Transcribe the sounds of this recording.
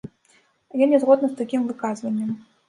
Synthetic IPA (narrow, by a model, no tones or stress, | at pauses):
jɔnʲɛzɣɔd̪nɨst̪akʲimvɨkazvɐnʲːɐm